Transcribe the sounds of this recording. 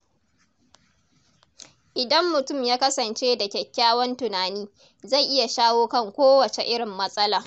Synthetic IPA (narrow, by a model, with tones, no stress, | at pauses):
ʔɪ˨dɐ˦mːʊ˨tʊ˦˨mjaː˦kɐ˦sɐ˨nt͡ʃeː˦da˨kʲɛ˨kʲːaː˦wɐ˦ntʊ˨naː˨niː˦ | za˦˨jʔɪ˦ja˨ʃaː˦woː˦kɐ˦˨ŋkʷoː˦wɐ˨t͡ʃe˨ʔɪ˦ɽɪ˨mːɐ˦sʼɐ˦laː˨